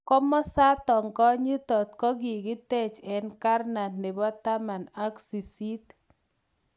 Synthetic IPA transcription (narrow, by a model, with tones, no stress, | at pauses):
kɔ˦mɔ˦sa˦t̪ɔ˨ŋkɔ˦ɲi˦tɔ˨t̪̚kɔ˦ki˨ki˦tɛ˦˨t͡ʃɛ˨nka˦rna˨nne˨bɔ˦t̪a˦ma˨na˦ksi˨si˦t̪